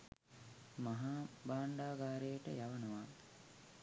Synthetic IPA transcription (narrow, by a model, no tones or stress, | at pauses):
maɦaːbaːɳɖaːɡaːɾejəʈəjaʋənəʋa